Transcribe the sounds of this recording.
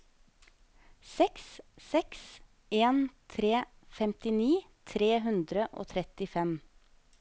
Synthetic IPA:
sɛkssɛks | ʔeːnt̪ʰɾeː | fɛmt̪ɪniː | t̪ʰɾeːɦʉnd̪ɾəʔo̰ːt̪ʰɾɛt̪ɪfɛm

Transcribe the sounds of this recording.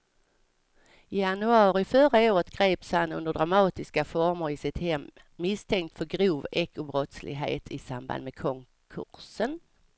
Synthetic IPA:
ɪjanɵɑːɾɪfœɾaoːɾət̪ɡ̥ɾeːpshanɵnd̪əɖɾamɑːt̪ɪskafɔɾməɾɪsɪt̪hɛmː | ɪst̪ʰɛŋk̚t̪fœɾɡɾuːvɛkːʊbɾɔt̪slɪ̰ɡɦḛːt̪ʰɪsamba̰nd̪mekʰɔŋ | kʰɵ̰ɾsən

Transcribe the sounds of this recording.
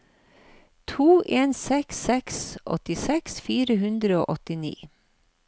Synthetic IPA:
t̪ʰuːʔeːnsɛksɛksʔɔ̰t̪ɪsɛksfiːɾəhʉnd̪ɾəo̰ːʔɔt̪ɪnḭː

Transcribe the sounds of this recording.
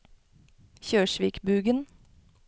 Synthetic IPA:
çøːʃʋiːkbʉːɡən

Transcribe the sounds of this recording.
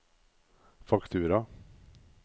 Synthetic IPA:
fakt̪ʰʉːɾa

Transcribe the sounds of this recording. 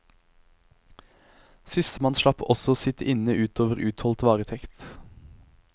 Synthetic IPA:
sɪst̪əmɑnʃlɑpɔsɔoːsɪt̪əʔɪnəʔʉːt̪ʰoːʋəʁʉːt̪hɔlt̪ʋɑːʁət̪ʰɛkt̪

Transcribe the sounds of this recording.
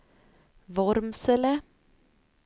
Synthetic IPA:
vɔɾmsələ

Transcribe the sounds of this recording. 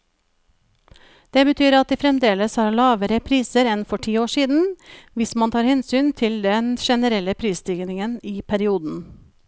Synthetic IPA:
d̪̥eːbət̪ʰyːɾɑt̪̚d̪eːfɾɛmd̪eːləshɑːɭɑːʋəɾəpʰɾiːsəɾɛnfɔʈʰiːoːʂiːd̪n̩ʋɪsmɑnt̪ʰɑːɾhɛnsyːnt̪ʰɪld̪ɛnʃɛnəɾɛləpʰɾiːsd̪ɪɡnɪŋəniːpʰæɾɪuːd̪n̩

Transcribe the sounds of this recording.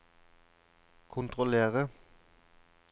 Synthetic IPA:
kʰʊnt̪ʁɔleːʁə

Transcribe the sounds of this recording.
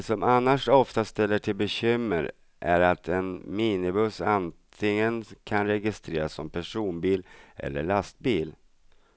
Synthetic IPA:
sɔmanːaʂɔft̪ast̪ɛlːəʈʰɪlbɛɕʏmːə̰ɾ | ʔæ̰ɾat̪ʰɛnmiːnɪbɵsant̪ʰɪŋənkʰanɾɛɡɪst̪ɾeːɾasːɔmpʰæʂuːnbiːlʔɛ̰lːə̰ɭast̪̚biːl

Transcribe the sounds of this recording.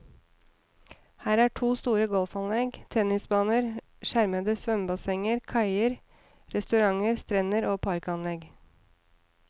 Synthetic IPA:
hæːɾæːʈʰuːst̪uːɾəɡɔlfɑnlɛɡt̪ʰɛnɪsbɑːnəɾ | ʃæɾməd̪əsʋœmbɑsɛŋəɾkʰɑɪəɾ | ɾɛst̪ʉɾɑŋəɾst̪ɾɛnəɾoːpʰɑɾkɑnlɛɡ

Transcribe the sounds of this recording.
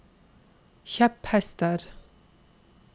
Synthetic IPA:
çɛphɛst̪əɾ

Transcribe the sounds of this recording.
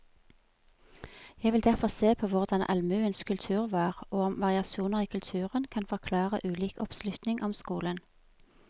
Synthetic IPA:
jæɪʋɪld̪æʁfɔseːpʰoːʋʊʁd̪ɑnʔɑ̰lmʉːənskʰʉlt̪ʰʉːʁʋɑːʁoːɔmʋɑʁɪɑsuːnəʁiːkʰʉlt̪ʰʉːʁənkʰɑnfɔʁkʰlɑːʁəʔʉːliːkɔpslʉt̪nɪŋʔɔmskuːlən

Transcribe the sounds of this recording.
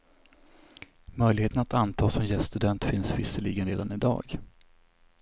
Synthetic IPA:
mœjlɪɡheːt̪ənat̪ant̪ʰɑːsɔmjɛst̪ɵd̪ɛnt̪fɪnsvɪsːəliːɡənɾeːd̪anɪd̪ɑ̰ːɡ

